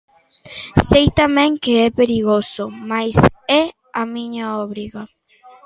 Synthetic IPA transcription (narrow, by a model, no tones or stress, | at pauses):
sejt̪amẽŋkeepeɾiɣosomajse | amĩɲaoβɾiɣa